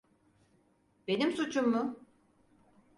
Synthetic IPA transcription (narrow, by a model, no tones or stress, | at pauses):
b̥e̞nimsut͡ʃʰumːʊ